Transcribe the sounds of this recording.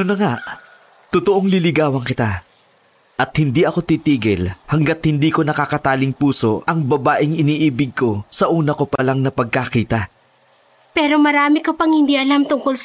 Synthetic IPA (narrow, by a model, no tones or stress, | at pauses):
nʊnːɐŋaʔ | t̪ʊt̪oʔoŋlɪlɪɡaːwɐŋkɪt̪a | ʔɐt̪̚hɪnd̪iʔɐko̞t̪iːt̪iːɡɪlhɐŋɡɐt̪̚hɪnd̪iːko̞nɐkakɐt̪aːlɪŋpuːso̞ʔɐŋbɐbaːʔɪŋɪniːʔiːbɪɡ̚ko̞sɐʔuːnɐkopɐlaŋnɐpɐɡ̚kɐkiːt̪ɐ | pɛːɾo̞mɐɾaːmɪkɐpɐŋhɪnd̪iʔɐlamt̪ʊŋkols